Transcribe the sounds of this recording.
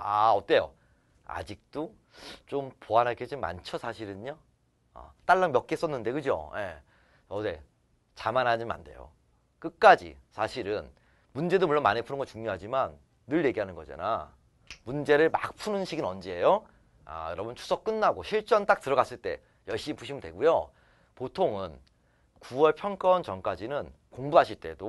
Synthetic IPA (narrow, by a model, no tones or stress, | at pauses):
aʌt͈e̞jo̰ | a̰d͡ʑik̚t͈o | t͡ɕompoanɦaɭkʰed͡ʑima̰nt͡ɕʰʌsʰaɕʰiɾɯɲo | a̰t͈aɭːaŋmjʌk̚k͈es͈ʌnːɯnde̞kɯd͡ʑo̰jḛ | ʌde̞̰ | t͡ɕamanɦad͡ʑima̰nde̞̰jo̰ | k͈ɯk̚k͈ad͡ʑḭsʰaɕʰiɾɯn | mund͡ʑe̞domuɭːonmanepʰunɯnŋɡʌt͡ɕuŋɲoɦad͡ʑimanː | ɯɭje̞ɡiɦanɯnɡʌd͡ʑḛna̰ | mund͡ʑe̞ɾɯɭmak̚pʰunɯnɕʰiɡɯnʌnd͡ʑie̞jo | a̰jʌɾʌbunt͡ɕʰu̥sʰʌk̚k͈ɯnːaɡoɕʰiɭt͡ɕ͈ʌnt͈ak̚tɯɾʌɡas͈ɯɭt͈e̞̰ | jʌɭɕ͈imipuɕʰimɯndwe̞̰ɡujo | potʰoŋɯn | kuwʌɭpʰjʌnk͈ʌnt͡ɕʌnk͈ad͡ʑinɯn | koŋbuɦaɕʰiɭt͈e̞do